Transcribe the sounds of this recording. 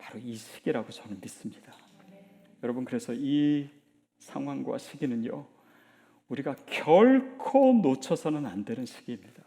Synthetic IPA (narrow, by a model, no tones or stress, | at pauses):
pḁɾoiɕʰi̥ɡ̥iɾaɡot͡ɕʌnɯnmis͈ɯmɲid̥a | jʌɾʌbɯnkɯɾe̞sʰʌi | sʰaŋɦwaŋɡwa̰ɕʰiɡinɯnjo̰ | uɾiɡakjʌɭkʰonot͡ɕʰʌsʰʌnɯnandwenɯnɕʰi̥ɡ̥iːmɲid̥a